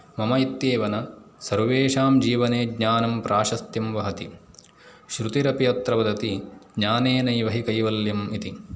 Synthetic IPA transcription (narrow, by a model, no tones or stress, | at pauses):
mɐmɐit̪jeːʋɐnɐ | sɐɾʋeːʃaːmd͡ʒiːʋɐneːɡɲaːnɐmpɾaːʃɐst̪jɐmʋɐɦɐt̪i | ʃɾut̪iɾɐpijɐt̪ɾɐʋɐd̪ɐt̪iɡɲaːneːnɐjʋɐɦikɐjʋɐljɐmit̪i